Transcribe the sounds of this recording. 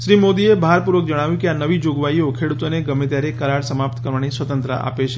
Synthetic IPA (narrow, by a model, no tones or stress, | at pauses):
ʃɾimod̪iebʱaɾpuɾʋək̚d͡ʒəɽ̃aʋjũkeanəʋid͡ʒoɡʋaiokʰeɽut̪oneɡəmet̪jaɾekəɾaɽsəmapt̪kəɾʋanisʋət̪ə̃nt̪ɾəʔa̰pet͡ʃʰe